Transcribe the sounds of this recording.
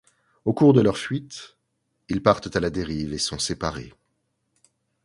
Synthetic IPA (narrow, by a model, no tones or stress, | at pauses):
okuʁd̪əlœʁfɥit̪ | ilpaʁt̪t̪alad̪eʁivesɔ̃sepaʁḛ